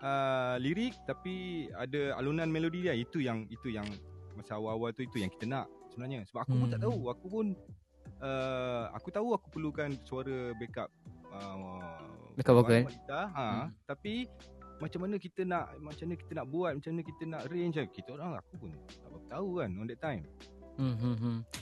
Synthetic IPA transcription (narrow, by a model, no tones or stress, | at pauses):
əliɾɪk̚t̪apia̰dəa̰lunãnmẽlodidiait̪ujaŋit̪ujaŋmasaawaawalt̪uit̪ujaŋki̥t̪ənaʔ | səbənaɲasəbap̚akupunt̪aʔt̪auakupʊn | əa̰kut̪auakupərlukansuaɾəbekap̚ə | bekaaalit̪aɦãt̪apimat͡ʃamːanəkit̪ənaʔmat͡ʃamaɲəki̥t̪ənaʔbuat̪̚mat͡ʃamanə̃kit̪ənaʔɾent͡ʃakit̪əoɾaŋa̰kupʊnt̪aʔbapət̪aukanɔ̃ndɛt̪ajm̩